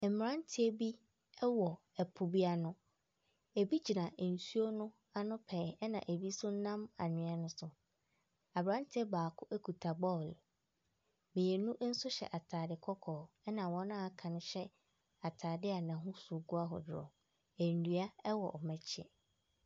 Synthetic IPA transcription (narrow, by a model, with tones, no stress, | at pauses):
ɛ˨m̩˨m˨ɾã˦n˦tʰɪ˦ɛ˦bi˦ | ɛ˦wɔ˨ | ɛ˨pʰʊ˨bi˦a˦nʊ̃˦ | e˨bi˦d͡ʑi˨nã˨n̩˨su˦o˦nʊ̃˦ | a˦nʊ̃˦pʰɛ˨ɛ˦nã̰˨ʔe˨bi˦sʊ˦n˦nã˦ma̰˨nɪ̃˨ɛ˦nʊ̃˦sʊ˨ | a˨bɾã˦ntʰɪ˦ɛ˦baː˨kʰʊ˦ʔæ˦kʰu˨tʰa˨bɔ˦˨l | mɪ̃˨jɛ˨nũ˦ʔn̩˦sʊ˦ɕɛ̰˨ʔa˨tʰaː˨dɪ˨kʰɔ˦kʰɔː˨ | ɛ˦nã˨wɔ̃˦n˦a˦˨kʰã˨nʊ̃˦ɕɛ˦ | a˨tʰaː˨dɪ˦a˨nã˨ɦʊ̃˦su˨ɡu˦a˦ɦɔ̰˨dʊ˨ɾɔ̰˨ | æ˨n̩˨du˨˦a˦ɛ˦wɔ̰˨ʔmɛ̃˨t͡ɕʰɛ̰˨